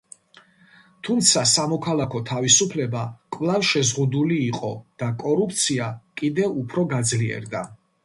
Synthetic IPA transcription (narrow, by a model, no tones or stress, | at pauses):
t̪ʰumt̪sʰasamɔkʰalˠakʰɔt̪ʰavisupʰlɛbakʼvlˠavʃɛzʁud̪uliːqʼɔd̪̥akʼɔɾup̚ʰt̪sʰiakʼid̪ɛupʰɾɔɡad̪zliɛ̰ɾd̪a